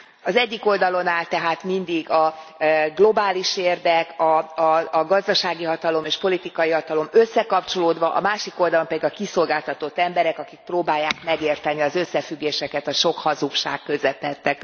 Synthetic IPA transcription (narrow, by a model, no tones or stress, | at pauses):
ɒzɛɟːiko̞ld̪ɒlo̞naːlt̪ɛɦaːt̪mind̪iɡɒɡlo̞baːliʃeːrd̪ɛkɒ | ɡɒzd̪ɒʃaːɡiɦɒt̪ɒlo̞meːʃpo̞lit̪ikɒjiɦɒt̪ɒlo̞møsːɛkɒpt͡ʃo̞loːd̪ʋɒʔɒ̰maːʃiko̞ld̪ɒlo̞mpɛd̪iɡɒkiso̞lɡaːlt̪ɒt̪o̞t̪ːɛmbɛɾɛkɒkik̚proːbaːjːaːkmɛɡeːrt̪ɛniɒzø̞sːɛfyɡːeːʃɛkɛt̪ɒʃo̞khɒzukʃa̰ːkːø̞zɛt̪ːɛt̪ːɛk